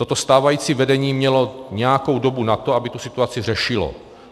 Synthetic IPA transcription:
t̪o̞t̪o̞st̪aːvajiːt͡sivɛdɛɲiːmɲɛlo̞ɲɛjako̞wdo̞bunat̪oabɪt̪usɪt̪uat͡sɪr̝ɛʃɪlo̰

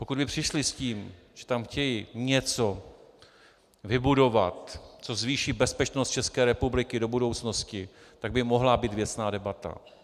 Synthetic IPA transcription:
pokud̪bɪpr̝̥ɪʃlɪsciːm | ʒ̥ɛ̥t̪amxcɛjɪɲɛt͡so̞ | vɪbudo̞vat̪t͡so̞zviːʃiːbɛspɛt͡ʃnost̪̚t͡ʃɛskɛːɾɛpublɪkɪdo̞budo̞wt͡sno̞scɪ | t̪aɡ̚bɪmo̞ɦlabiːt̪vjɛt͡snaːdɛbat̪a̰

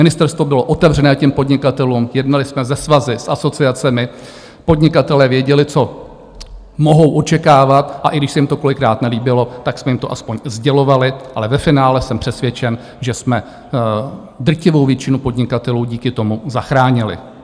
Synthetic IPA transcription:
mɪnɪst̪ɛɾst̪vo̞bɪlo̞ʔo̞t̪ɛvrɛnɛːcɛmpo̞dɲɪkat̪ɛluːmjɛdnalɪsmɛzɛsvazɪsʔasot͡sɪat͡sɛmɪ | po̞dɲɪkat̪ɛlɛːvjɛɟɛlɪt͡so̞ | moɦo̞wʔo̞t͡ʃɛkaːvat̪ʔaʔɪɡdɪʃsɛjɪmt̪o̞ko̞lɪkɾaːt̪nɛliːbɪlo̞t̪aksmɛjɪmt̪o̞ʔaspo̞ɲzɟɛlo̞valɪʔalɛvɛfɪnaːlɛsɛmpr̝̥ɛsvjɛt͡ʃɛn | ʒɛsmɛ | d̪r̩cɪvo̞wvjɛt͡ʃɪnupo̞dɲɪkat̪ɛluːɟiːkɪt̪o̞muzaxɾaːɲɪlɪ̰

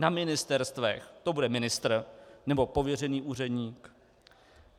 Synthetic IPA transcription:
namɪnɪst̪ɛɾst̪vɛxt̪o̞budɛmɪnɪst̪r̩nɛbo̞po̞vjɛrɛniːʔuːr̝ɛdɲiːk

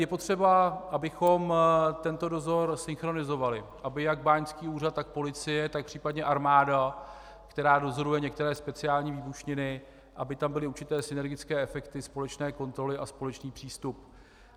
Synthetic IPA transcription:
jɛpo̞t̪r̝̥ɛbaʔabɪxo̞mt̪ɛnt̪o̞do̞zo̞ɾsɪnxɾo̞nɪzo̞valɪʔabɪjaɡ̚baːɲt͡skiːuːrat̪ːak̚po̞lɪt͡sɪjɛt̪ak̚pr̝̥iːpadɲɛʔaɾmaːda | kt̪ɛɾaːdo̞zo̞ɾujɛɲɛk̚t̪ɛɾɛːspɛt͡sɪaːlɲiːviːbuʃɲɪnɪ | ʔabɪt̪ambɪlɪuɾt͡ʃɪt̪ɛːsɪnɛɾɡɪt͡skɛːɛfɛkt̪ɪspo̞lɛt͡ʃnɛːko̞nt̪ɾo̞lɪʔaspo̞lɛt͡ʃniːpr̝̥iːst̪up

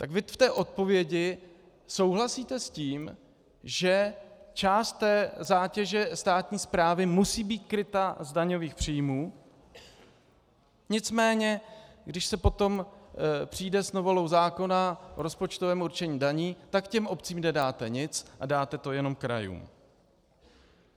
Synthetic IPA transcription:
t̪aɡvɪft̪ɛːʔo̞t̪̚po̞vjɛɟɪ | so̞wɦlasiːt̪ɛsciːm | ʒɛt͡ʃaːst̪ːɛːzaːcɛʒɛst̪aːt̪ɲiːspɾaːvɪmusiːbiːt̪̚kɾɪt̪azdaɲo̞viːxpr̝̥iːjmuː | ɲɪt͡smɛːɲɛɡdɪʃsɛpo̞t̪o̞mpr̥iːdɛsnovo̞lo̞wzaːko̞naʔoɾo̞spot͡ʃt̪ovɛːmuɾt͡ʃɛɲiːdaɲiːt̪akcɛmʔo̞pt͡siːmnɛdaːt̪ɛɲɪt͡sʔadaːt̪ɛt̪o̞jɛno̞mkɾa̰jṵːm

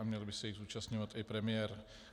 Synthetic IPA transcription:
amɲɛlbɪsɛjiɣzuːt͡ʃast̪ɲovat̪ɪpɾɛmɪjɛɾ

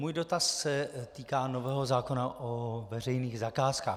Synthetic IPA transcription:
muːjdo̞t̪asːɛt̪iːkaːno̞vɛːɦo̞zaːko̞naʔovɛrɛjniːɣzakaːskaː

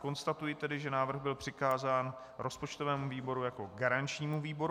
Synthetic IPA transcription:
ko̞nst̪at̪ujɪt̪ɛdɪʒɛnaːvr̩ɣbɪlpr̝̥ɪkaːzaːn | ɾo̞spot͡ʃt̪o̞vɛːmuviːbo̞ɾujako̞ɡaɾant͡ʃɲiːmuviːbo̞ɾ

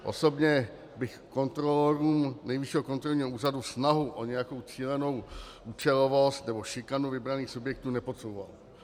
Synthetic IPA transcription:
ʔo̞̰so̞bɲɛ | bɪxko̞nt̪ɾolɛɾuːmnɛjvɪʃiɦokont̪ɾolɲiːɦouːradusnaɦuʔoɲɛjako̞wt͡siːlɛno̞w | ʔuːt͡ʃɛlovo̞st̪nɛbo̞ʃɪkanuvɪbɾaniːxsubjɛk̚t̪uːnɛpo̞t̪sowva̰l

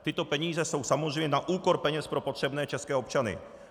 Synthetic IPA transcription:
t̪ɪt̪opɛɲiːzɛso̞wsamozreɛjmɲɛnaʔuːkoɾpɛɲɛspɾopot̪r̝̥ɛbnɛːt͡ʃɛskɛːopt͡ʃanɪ̰

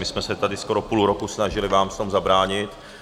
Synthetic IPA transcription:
mɪsmɛsɛt̪adɪsko̞ɾo̞puluɾo̞kusnaʒɪlɪvaːmft̪omzabɾaːɲɪt̪

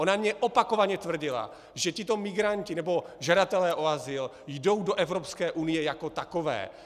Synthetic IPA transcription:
o̞namɲɛʔopako̞vaɲɛt̪vr̩ɟɪla̰ | ʒɛcɪt̪o̞mɪɡɾancɪnɛbo̞ʒadat̪ɛlɛːʔo̞azɪl | jdo̞wdo̞ʔɛvɾopskɛːʔunɪjɛjako̞t̪ako̞vɛ̰ː

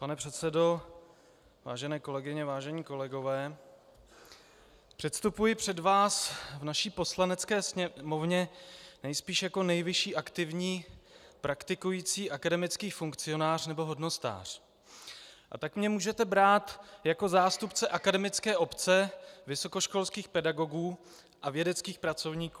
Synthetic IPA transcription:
panɛpr̥ɛt̪t͡sɛdo̞ | va̰ːʒɛnɛːko̞lɛɡɪɲɛvaːʒɛɲiːko̞lɛɡo̞vɛː | pr̝̥ɛt̪st̪upujɪpr̝̥ɛdvaːsvnaʃiːpo̞slanɛt͡skɛːsɲɛmo̞vɲɛnɛjspiːʃjako̞nɛjvɪʃiːʔakt̪ɪvɲiːpɾʔakt̪ɪkujiːt͡siːʔakadɛmɪt͡skiːfuŋkt͡sɪo̞naːr̝nɛbo̞ɦo̞dno̞st̪a̰ːr̝̥ | ʔa̰t̪akmɲɛmuːʒɛt̪ɛbɾaːt̪jako̞zaːst̪upt͡sɛʔakadɛmɪt͡skɛːʔo̞pt͡sɛvɪso̞ko̞ʃko̞lskiːxpɛdaɡo̞ɡuː | ʔavjɛdɛt͡skiːxpɾat͡so̞vɲiːkuː

